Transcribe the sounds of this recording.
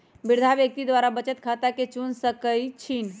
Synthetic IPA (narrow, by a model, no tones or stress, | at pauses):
biɾd̪ʱabjək̚t̪id̪ʋaɾabət͡ʃət̪kʰat̪aket͡ʃunsəkəjt͡ʃʰin